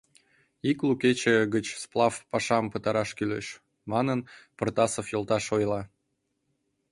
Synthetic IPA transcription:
ikluket͡ɕeɡət͡ɕsplˠɑfpɑʃɑmpət̪ɑɾɑʃkylḛʃ | mɑnənpərt̪ɑsofjolˠt̪ɑʃojlˠɑ

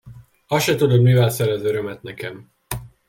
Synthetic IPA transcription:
ɒʃɛt̪ud̪od̪mivɛlsɛɾɛzʋɛɾømɛt̪nɛkɛm

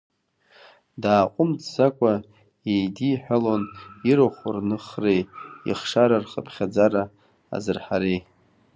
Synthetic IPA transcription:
daːqʷʼʊmt͡sʰsakʷʼa | ejdiħʷᶣaloniɾoχʷʊrnɨχrejḭχʂaɾarχəpʰχʲad͡zaɾa̰ː | zɨrħaɾej

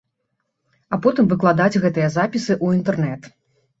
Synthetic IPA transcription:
apɔt̪ɨmvɨklˠad̪ad͡zʲɣɛt̪ɨjɐzapʲisɨʔuint̪ɛrnɛt̪

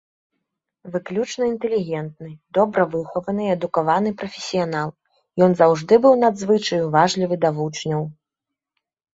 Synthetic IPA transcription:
vɨklʲut͡ʂnɐint̪ɛlʲiɣʲɛnt̪nɨd̪ɔbɾɐvɨxɔvɐnɨɛd̪ukavanɨpɾɐfʲɛsʲijanalˠ | jɔnzawʐd̪ɨbɨwnad̪zvɨt͡ʂɐjuvaʐlʲivɨd̪avut͡ʂnʲɐw

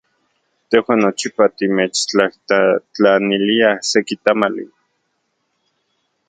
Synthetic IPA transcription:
t̪ehwaːnːot͡ʃipat̪imet͡ʃt͡ɬahat͡ɬaniliasekit̪amalḭ

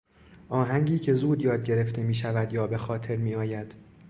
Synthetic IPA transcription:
ʔɒːɦæŋɟiːcʰe̞zuːd̪jɒːd̪̚ɟe̞ɾe̞ft̪e̞miːʃævæd̪jɒːbe̞xɒːt̪ʰe̞ɾmiːɒːjæd̪̥

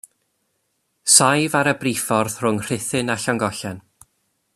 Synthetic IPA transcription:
sajvaɾəbrifɔrðr̥ʊŋr̥ɪθɨnaɬɔŋɡɔɬɛn

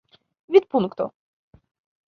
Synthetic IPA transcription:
vʲit̪̚punkt̪ɔ̰

